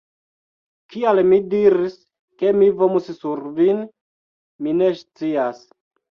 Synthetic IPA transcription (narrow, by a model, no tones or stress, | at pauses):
kialmidiɾis | kemivomussuɾvin | minest͡sias